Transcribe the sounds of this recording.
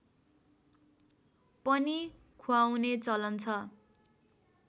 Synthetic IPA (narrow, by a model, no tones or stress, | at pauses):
pʌni | kʰuawnet͡sʌlʌnt͡sʰʌ